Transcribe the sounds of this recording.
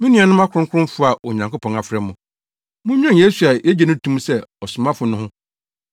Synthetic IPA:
mĩ˦nĩ˦a˨nʊ̃˦m˦a˦kʰʊɾʊ̃˦kʰʊ̃˦fʊ˦a˨o˨ɲã˨ŋko˦pʰɔ̃˨a˨fɾɛ˦mʊ̃˨ | mʊ̃˦ɲᶣ˦ã˦n˨je˦su˨a˨jɛ˦d͡ʑɛ˨nʊ̃˦tʰũ˦m˦sɛ˦ɔ˨sʊ̃˨mã˦fʊ˨nʊ̃˦hʊ̃˦

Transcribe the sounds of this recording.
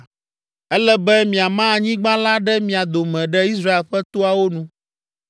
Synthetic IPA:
ɛ˦lɛ˦bɛ˦mĩ˨a˨mã˦˨ɲĩ˦ɡ͡bã˦la˦ɖɛ˦mĩ˨a˨d̪o˨mɛ̃˨ɖɛ˦i˦s̬ɾa˦e˨lɸɛ˦t̪o˦a˨wo˦nũ˨

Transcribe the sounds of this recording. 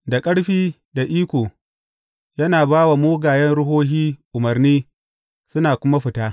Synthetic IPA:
da˨kʼɐ˦ɽɸiː˦ | da˨ʔiː˦kʷoː˨ | jɐ˦naː˨baː˦wa˨moː˦ɡaː˨jɛ˦nɽʊ˦ɦoː˦ɦiː˦ʔʊ˨mɐ˨rniː˦ | sʊ˦naː˨kʷʊ˦ma˦ɸɪ˨taː˦

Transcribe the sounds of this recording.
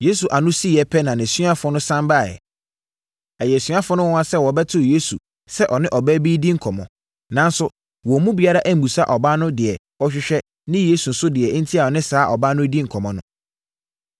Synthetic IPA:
je˦su˨ʔa˨nʊ̃˦si˦jɛ˦pʰɛ˦nã˨nɪ̃˨su˦a˦fɔ̃˦nʊ̃˦sã˦mba˦˨jɛ̰˨ | ɛ˨jɛ˨sa˦fʊ̃˦nʊ̃˦w̃ã˦sɛ˦wɔ˨bɛ˦tʰʊ˦˨je˦su˨ | sɛ˦ʔɔ˨nɪ̃˦ʔɔ˨bæ˦biː˦dĩ˦ŋ̩˨kʰɔ˨mɔ̃˨ | nã˨n˦sʊ˦ | wɔ˨mũ˦bi˨a˦ɾa˦ʔæ˦m̩˨bu˨sa˦ʔɔ˨ba˦nʊ̃˦dɪ˨ɛ˨ | ɔ˦ɕᶣɪ˦ɕᶣɛ˦ | nɪ̃˦je˦su˨n̩˨sʊ˦dɪ˨ɛ˨˦n̩˦tʰi˦a˨ɔ˨nɪ̃˦saː˦ʔɔ˨ba˦nʊ̃˦di˦ŋ̩˨kʰɔ˨mɔ̃˨nʊ̃˦

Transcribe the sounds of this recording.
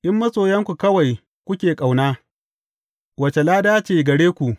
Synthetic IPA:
ʔɪ˦mːɐ˦sʼoː˨jɐ˦ŋkʷu˨kɐ˦wa˨j | kʷʊ˦kʲeː˨kʼa˨wnaː˦ | wɐ˨t͡ʃe˨laː˦daː˦t͡ʃeː˨ɡɐ˨ɽeː˦kʷu˨ʔ

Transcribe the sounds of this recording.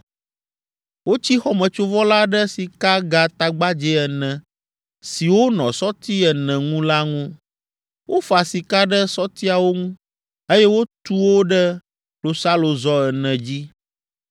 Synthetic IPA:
wo˦t͡ɕi˦xɔ˦mə̃˨t͡ʃo˦vɔ˦la˦ɖə˦si˨ka˦ɡa˨t̪a˨ɡ͡ba˦d͡ʒɛ˦ɛ˨nɛ̃˨ | si˨wo˦nɔ̰̃˨sɔ˦t̪i˦ɛ˨nɛ̃˨ŋũ˦la˦ŋũ˦ | wʔo˦fa˨si˨ka˦ɖə˦sɔ˦t̪i˦a˨wo˦ŋũ˦ | e˦jɛ˦wo˦t̪u˦wo˦ɖə˦ | lo˨sa˦lo˨zɔ˦ɛ˨nɛ̃˨d͡ʑi˦

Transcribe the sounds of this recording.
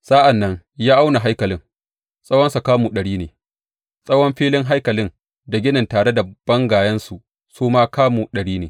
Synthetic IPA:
sʼa˦ʔa˨nːɐ˦ŋ | jaː˦ʔa˦wna˨ɦa˦jkɐ˨lɪ˦ŋ | sʼɐ˦wɐ˦nsu˨kaː˦mu˨ɗɐ˨ɽiː˦neː˨ | sʼɐ˦wɔ˦mɸiː˦lɪ˦ŋɦa˦jkɐ˨lɪ˦n | da˨ɡʲɪ˦nɪ˨ntaː˨ɽe˦da˨b̥ɐ˦ŋɡaː˨jɐ˦nsu˨ | soː˦maː˦kaː˦mu˨ɗɐ˨ɽiː˦neː˨

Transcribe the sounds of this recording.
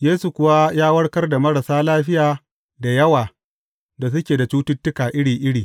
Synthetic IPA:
jeː˦su˨kʷʊ˦wa˦jaː˦wɐ˦ɽkɐ˦rda˨mɐ˦ɾɐ˨saː˦laː˦ɸɪ˦jaː˨ | da˨jɐ˦waː˨ | da˨s̬ʊ˦kʲeː˨da˨t͡ʃuː˦tʊ˦tːʊ˦kaː˨ʔɪ˦ɽiː˨ʔɪ˦ɽiː˨

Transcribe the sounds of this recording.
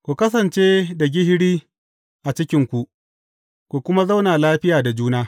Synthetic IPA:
kʷu˨kɐ˦s̬ɐ˨nt͡ʃeː˦da˨ɡʲɪ˦hɽiː˦ | ʔa˨t͡ʃɪ˦kʲɪ˦ŋkʷu˨ʔ | kʷu˨kʷʊ˦ma˦za˦wnaː˨laː˦ɸɪ˦jaː˨da˨d͡ʒuː˦naː˦

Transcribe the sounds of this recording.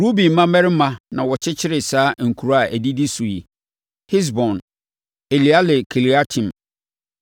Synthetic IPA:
ɾu˦bi˨m˦mã˦mɛ̃˦ɾɪ˦mã˦nã˨wɔ˨t͡ɕʰɪ˦t͡ɕʰɪ˦ɾɪ˨saː˦ŋ̩˨kʰu˨ɾa˨ʔæ˨di˦di˦su˨i˨ | hɪ˦s̬bɔ̃˨n | e˨li˨a˦lɪ˨kʰɪ˨li˨a˦tʰĩ˨m

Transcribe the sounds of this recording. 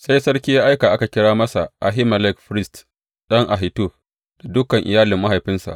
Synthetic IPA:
sa˦jsɐ˦ɽkʲiː˦jaː˦ʔa˦jkaː˨ʔa˦ka˨kʲɪ˦ɽaː˦mɐ˦sa˨ʔa˨ɦi˦mɐ˨lɛ˦kɸɾɪ˦st | ɗɐ˦ŋʔa˨ɦɪ˨tu˦ɸ | d̥a˨dʊ˦kɐ˨ŋʔɪ˨jaː˦lɪ˨mːa˦ɦa˨jɸɪ˦nsa̰˨ʔ

